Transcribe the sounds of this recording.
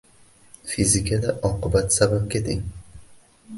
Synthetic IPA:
fizɪkʲʰad̪aʔɒqɨbat̪sabap̚kʲʰet̪ʰɪŋ

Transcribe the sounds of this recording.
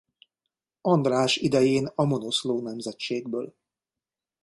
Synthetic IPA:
ɒnd̪raːʃid̪ɛjeːnɒmo̞no̞sloːnɛmzɛtt͡ʃeːɡbøːl

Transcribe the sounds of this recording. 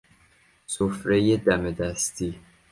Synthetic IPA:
sofɾejed̪æmed̪æst̪ʰiː

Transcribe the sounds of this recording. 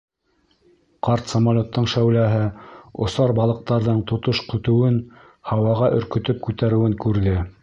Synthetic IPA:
qɑɾt̪samalʲot̪ːɤɴʃæwlæɦɘŏ̰sɑɾbɑlˠɤ̆q̚t̪ɑɾðɤɴt̪ŏt̪oʃkɵ̆t̪ɵ̆wɘn | hɑwɑʁɑʔɵ̆ɾkɵ̆t̪ɵp̚kʉt̪æɾɘ̆wɘŋkʉɾðɘ

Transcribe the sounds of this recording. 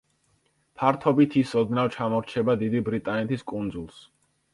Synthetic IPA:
pʰaɾt̪ʰɔbit̪ʰisɔd̪nawt͡ʃʰamɔɾt͡ʃʰɛbad̪id̪ibɾit̪ʼanɛt̪ʰiskʼund̪zulˠs

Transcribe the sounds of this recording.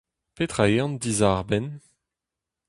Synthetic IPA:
pet̪χaeɑ̃nd̪izaʁbɛn

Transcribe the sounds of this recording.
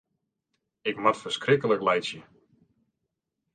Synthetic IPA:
ɪkmatfərskrɪkələklɛjsjə

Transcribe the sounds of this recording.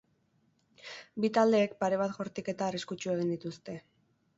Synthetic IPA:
bit̪ald̪e̞ːk̚paɾe̞β̞at̪xo̞ɾt̪ike̞t̪aːriskut͡ʃue̞ɣ̞ind̪it̪ust̪e̞

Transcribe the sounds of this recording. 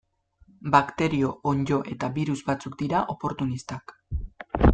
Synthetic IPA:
bakt̪e̞ɾio̞ʔoɲd͡ʒo̞ʔe̞t̪aβiɾuzbat͡suk̚d̪iɾaʔo̞po̞ɾt̪unist̪ak

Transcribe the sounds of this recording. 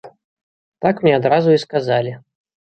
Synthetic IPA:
t̪akmnʲɛad̪ɾazʊiskazalʲi

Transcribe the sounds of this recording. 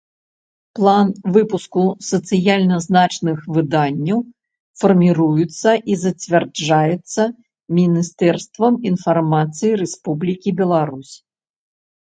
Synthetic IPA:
plˠanvɨpuskusɐt̪sɨjalʲnɐznat͡ʂnɨxvɨd̪anʲːɐw | fɐrmʲiɾujut̪sːɐʔizɐt͡sʲvʲard͡ʐajɛt̪sːɐ | mʲinʲist̪ɛrst̪vɐminfarmat̪sɨjiɾɛspublʲikʲibʲɛlˠaɾusʲ

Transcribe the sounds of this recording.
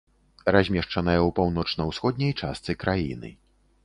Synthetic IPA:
razʲmʲɛʂt͡ʂɐnɐjɛwpawnɔt͡ʂnɐwsxɔd̪ʲnʲɐjt͡ʂa̰st̪sɨkɾʔajḭnɨ̰

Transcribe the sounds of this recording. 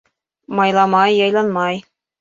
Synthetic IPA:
mɑjlˠɑmɑjːɑjlˠɑnmɑj

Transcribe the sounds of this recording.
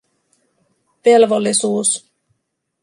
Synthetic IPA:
pe̞lʋo̞lːisuːs

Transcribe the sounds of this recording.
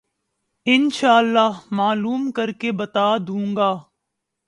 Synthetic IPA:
ɪnʃaːəlːaːɦmaːluːmkəɾkebət̪aːd̪ũːŋɡaː

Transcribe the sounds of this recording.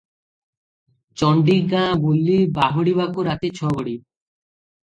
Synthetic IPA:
t͡ɕɔɳɖiɡãbulːibaɦoɽiβakuɾat̪et͡ɕʰɔɡoɽi

